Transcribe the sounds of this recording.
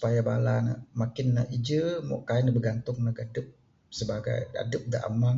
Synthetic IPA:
su̥pajabalana̰makɪnːaʔid͡ʒəmɔ̰ʔkaɪnabəɡant̪ʊŋnaɡadəp̚ | səbaɡa̰ja̰dəp̚daʔa̰maŋ

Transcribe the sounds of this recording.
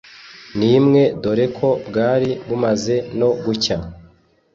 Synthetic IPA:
niːmŋe̞do̞ɾe̞kʰo̞bɡaːɾiβumaze̞no̞ɡuca

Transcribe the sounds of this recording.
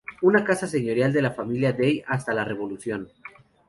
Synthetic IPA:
unakasas̬e̞ɲo̞ɾjald̪e̞lafamiljaðejast̪alare̞βo̞lusjo̞n

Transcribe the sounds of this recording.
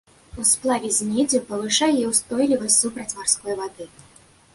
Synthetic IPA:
usplˠavʲɛzʲmʲɛd͡zʲupɐvɨʂajɛjɛwst̪ɔjlʲivɐsʲsupɾɐt͡sʲmarskɔjvad̪ɨ

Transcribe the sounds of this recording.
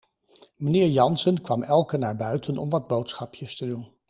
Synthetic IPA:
mənɪːɹjɑnsənkʋɑmɛlˠkənaːɹbœɥtʰənɔ̰mʋɑd̚bowtsχɑpjəstədun

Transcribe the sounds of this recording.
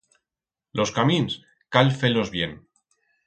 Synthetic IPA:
lʔo̞skamins | kalfelo̞zβjen

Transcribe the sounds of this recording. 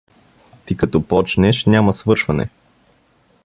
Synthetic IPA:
t̪ikɐt̪ɔpɔt͡ʃnɛʃnʲjamɐsvɤɾʃvɐnɛ̰

